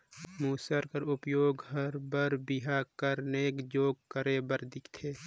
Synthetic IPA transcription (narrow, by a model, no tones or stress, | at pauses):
muːsəɾkəɾʊpjoːɡhəɾbəɾbɪɦakəɾneːkd͡ʒoːɡ̚kəɾebəɾd̪ɪkʰt̪ʰeː